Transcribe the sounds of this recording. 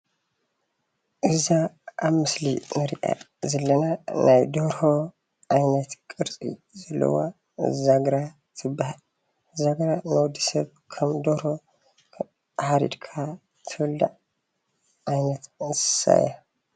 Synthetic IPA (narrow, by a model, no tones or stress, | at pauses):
ʔɨzaʔaβmɨslḭnɐɾiʔa̰ | zɐlːɐnanʔajd̪oɾho | ʔajnɐt̪kʼɨɾt͡sʼḭzɐlːɐ̰wa̰ | zaɡɾa | t̪ʰɨb | zaɡɾanɐwd̪isɐβ | kʰɐmd̪oɾho | ħaɾḭd̪kʰa | t̪ʰɨwɐld̪a̰ʕ | ʔajnɐt̪sɨ̥sa̰ja